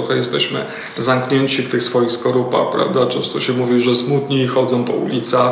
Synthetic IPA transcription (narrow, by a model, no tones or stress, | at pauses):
ɔxɛjɛst̪ɛɕmɘ̰ | zamkɲɛɲt͡ɕift̪ɘxsfɔjixskɔɾupa̰xpɾa̰vd̪at͡ʂɛñst̪ɔɕɛmuvʲiʐɛsmut̪ɲiːxɔd̪zɔ̃w̃pɔ̰ṵlʲit̪sa